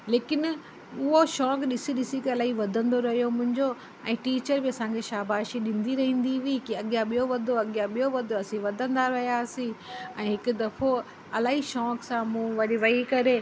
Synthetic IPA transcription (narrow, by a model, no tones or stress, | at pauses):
leːkɪn | ʊɦoʃɔːkɗɪsiɗɪsikiɐlaːɦiʋɐd̪ʱə̃nd̪oɾɐɦijomʊ̃ɦɪ̃ɲd͡ʑo | ɛ̃ːʈiːt͡ɕəɾbiɐsãkʰeʃaːbʱaːʃiɗɪ̃nd̪iɾɐɦĩːn̆d̪iʋikiɐɠijãɓijoʋɐd̪ʱoɐɠijãɓijoʋɐd̪ʱoɐsĩʋɐd̪ʱə̃nd̪aɾɐɦijaːsĩɛ̃ːɦɪkʊ̆d̪ɐfo | ɐlaːɦiʃɔːksãmũːʋɐɗiʋɐikɐɾe